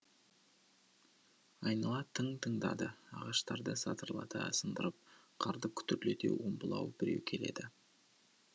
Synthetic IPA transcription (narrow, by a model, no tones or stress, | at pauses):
ɑjnɑlˠɑt̪ʰəŋt̪ʰəɴd̪ɑ̰d̪əɑʁɑʃt̪ɑɾd̪əsɑt̪əɾəlˠɑ̰t̪əsənd̪əɾəp̚qʰɑɾd̪əkʲʰʏ̥t̪ʏɾlet̪e̞̰wʔombəlˠɑ̰wb̥ɪɾe̞̰wkʲʰe̞le̞̰d̪ɪ